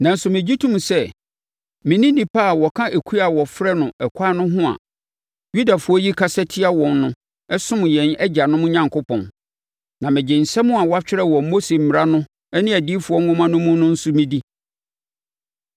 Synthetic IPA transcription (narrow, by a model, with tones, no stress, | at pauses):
nã˨n̩˦sʊ˨mɪ̃˨d͡ʑi˦tʰũ˦m̃˨sɛ˦ | mɪ̃˨nĩ˦nĩ˨pʰa˦˨wɔ˨kʰã˦ʔe˨kʰu˦a˨wɔ˨fɾɛ˦nʊ̃˨ɛ˨kʷʰa˦nʊ̃˦ɦʊ̃˦a̰˨ | ju˦da˨fʊ˨˦ɔ˦ji˦kʰa˦sɛ˦tʰɪ˦a˦wɔ̃˨nːʊ̃˦ | ɛ˦sʊ̃˦m˨jɛ̃˨nɛ˦d͡ʑa˨nʊ̃˦m̃˦ɲã˨ŋkʰʊ˦pʰɔ̰̃˨n | nã˨mɪ̃˨d͡ʑɪ̃˨n̩˨sɛ˦mʊ̃˦a˨wɔ˦a˦t͡ɕᶣɪ˦ɾɛ˦wɔ˨mo˦se˨m̩˨mɪ˨ɾa˦nʊ̃˦ | ɛ˦nɪ̃˦æ˨diː˦fu˨ɔ˦ŋʊ̃˦mã˦nʊ̃˦mʊ̃˦nʊ̃˦n̩˦sʊ˦mɪ̃˦di˦